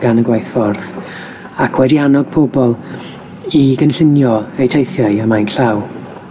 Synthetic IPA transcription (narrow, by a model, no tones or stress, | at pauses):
ɡ̥anəɡwajθfɔrθ | akʰwɛdianɔɡ̥pʰobɔlˠ | iɡənɬɪnjɔejtʰejθjaɨəmajnɬaw